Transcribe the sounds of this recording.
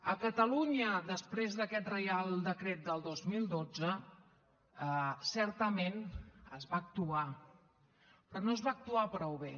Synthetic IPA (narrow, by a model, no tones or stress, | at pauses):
əkət̪əluɲəd̪əspɾezðəkɛt̪rəjalˠd̪əkɾet̪̚d̪əlˠd̪ozmilˠd̪od͡zə | əsɛɾt̪əmenəzβaːk̚t̪ua | pɾɔnoəzβaːk̚t̪uapɾɔwβe